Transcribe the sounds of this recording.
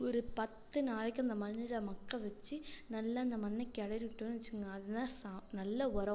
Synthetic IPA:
ɔɾɯpɐt̪ːɯnaːɭɛkʲːɯ̃ɐnd̪ɐmɐnːɪɾɐmɐkːɐ̃ʋɛt͡ʃːɯnɐlːɐːnd̪ɐmɐnːɛkːɐɽɐɾʋɪʈːɯnːɯʋɐt͡ʃːɯkɯŋɡɐːðɐt̪ãːsaːnɐlːɐɔɾɐ

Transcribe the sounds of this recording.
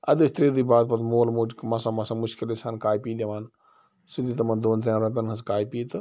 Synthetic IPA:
ɐ̰d̪ist̪ɾeːd̪iːbaːd̪̚pɐt̪moːlmuːd͡ʒkmɐsãːmɐsãmʊʃkilesaːnkaːjpiːd̪eʋaːn | sid̪it̪ɐmɐnd̪oːnzeɾɐt̪ɐnɦɐskaːjpiːt̪ɨ

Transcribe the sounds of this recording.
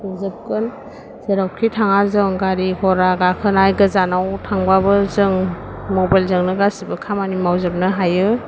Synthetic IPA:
ɯzɯp̚kɯn | z̥eɾawkʰitʰaŋazɯŋɡaɾikʰɔɾaɡakʰɯnajɡɯzanawtʰaŋbabɯzɯŋ | mɔbajlzɯŋnɯɡasibɯkʰamanimawzɯp̚nɯɦajɯ

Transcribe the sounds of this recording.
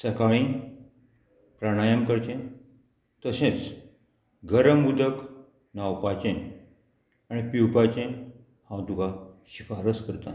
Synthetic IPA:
səkaɭĩ | pɾaɽ̃ajəmkəɾt͡ɕẽ | t̪əsẽt͡s | ɡəɾəmːud̪ək | nawpat͡ɕẽ | aɽ̃ipiwpat͡ɕẽ | hãwt̪uɡaɕifaɾəskəɾt̪a̰

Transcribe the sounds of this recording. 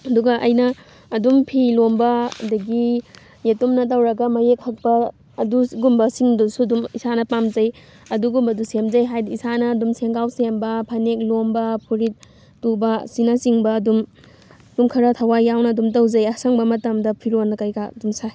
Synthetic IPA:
ɐduɡɐʔɐjnɐː | dumpʰilombɐdɐɡi | jetumnɐt̬ɐwɾɐɡɐmɐjek̚hɐk̚pɐː | duɡumbɐsiŋdusuɐdumisanɐpamzɐj | ɐduɡumbɐdusemzɐjɦajdisanɐːdumseŋɡawsembɐpʰanek̚lombɐpʰuɾit̚ | tubɐsinasiŋbɐːdum | d̥umkʰɐɾɐtʰɐwajawnɐɐdumtɐwd͡ʒɐjɐsɐŋbɐmɐtɐmdɐpʰiɾonɐkɐjɡaɐ̰dumsaj

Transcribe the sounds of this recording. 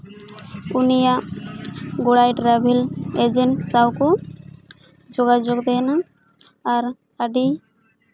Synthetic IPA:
unijaʔ | ɡoɽajʈɾabʱiled͡ʒensawku | d͡ʒoɡad͡ʒoɡd̪ɛnaː | ɾ | aɖi

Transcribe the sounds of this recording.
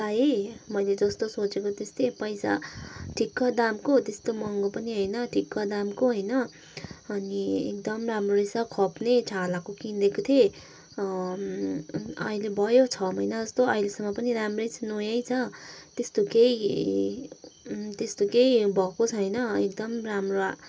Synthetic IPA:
t̪ajemʌjled͡zʌst̪osot͡sekot̪est̪ʰepʌjsa̰ʈʰikːʌd̪amkot̪est̪omʌŋɡopʌniɦʌjnʌʈʰikːʌd̪amkoɦʌjnʌː | niḛk̚d̪ʌmramroɾisakʰʌpnet͡sʰalakokind̪ekot̪ʰje | ʌ̰ilebʱʌjot͡sʰʌmʌjnad͡zʌst̪oʌilesʌmːʌpʌniɾamrʌjt͡sʰnojʌjt͡sʰʌt̪est̪okei | t̪est̪okeibʱʌkot͡sʰʌjnʌek̚d̪ʌmramroa

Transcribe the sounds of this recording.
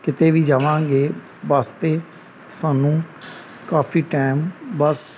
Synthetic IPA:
kɪt̪eːʋiːd͡ʒaːʋãːɡeː | ʋaːst̪eː | saːnũː | kaːfʰiːʈaːɪmbəs

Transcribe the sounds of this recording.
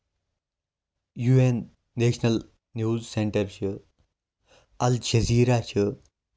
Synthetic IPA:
juːenː | eːɕnɐl | njuːzseɳʈɐɾɕə | ɐlɕɐziːɾat͡ɕʰə

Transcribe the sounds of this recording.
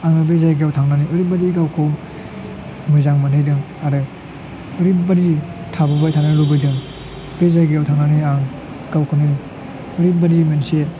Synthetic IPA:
aŋɯbezajɡawtʰaŋnaniʔɯɾibaɾiɡawkʰow | mɯzaŋmanɯjdɯŋ | aɾɯ | ɯɾibaɾitʰababajtʰanɯlubɯjdɯŋ | bezajɡeawtʰaŋnaniaŋ | ɡ̥awkʰonɯ | ɯɾibaɾimense

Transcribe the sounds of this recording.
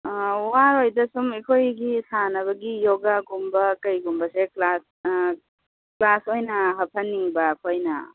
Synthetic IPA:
waɾojdɐsumekʰojɡisanɐβɐɡijoɡaɡumbɐkɐjɡumbɐseklas | klasojnɐɦɐpʰɐnːiŋbɐkʰojnɐ̰

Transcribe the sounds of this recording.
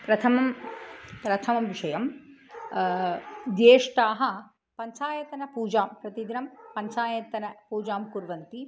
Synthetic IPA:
pɾɐt̪ʰɐmɐm | pɾɐt̪ʰɐmɐmʋiʂɐjɐm | d̪jeːʂʈaːɦɐ̆ | pɐɲt͡ʃaːjɐt̪ɐnɐpuːd͡ʒaːmpɾɐt̪id̪inɐmpɐɲt͡ʃaːjɐt̪ɐnɐpuːd͡ʒaːmkuɾʋɐnt̪i

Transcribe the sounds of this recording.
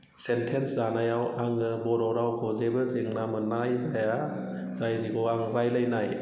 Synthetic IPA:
sentʰenszanajawaŋɯbɔɾɔɾawkʰɔzebɯzeŋnamɯnajzaja | zajniɡɔaŋɾajlajnaj

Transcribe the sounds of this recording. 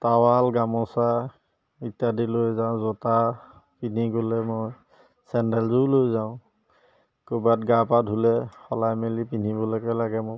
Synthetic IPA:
tawalɡamɔsa | itjadilojzãzɔta | pin̤iɡolɛmoj | sɛndɛlzulojzaʊ̃ | kubatɡapadʱulɛxɔlajmelipin̤ibɔlɔkɔjlaɡɛmɔ

